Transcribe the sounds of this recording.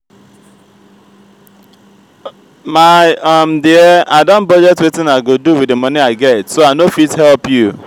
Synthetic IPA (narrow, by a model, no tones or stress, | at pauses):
maɔm̩diɛadɔ̃nbɔd͡ʒɛtwetɪ̃naɪɡoduwiemʌniaɪɡɛtsoaɪnofithɛlpju